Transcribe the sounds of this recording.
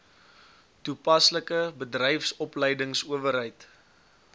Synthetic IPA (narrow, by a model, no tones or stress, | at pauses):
tupɐsləkəbədrɛjfsɔpləjdəŋsuəvəɾɦəjt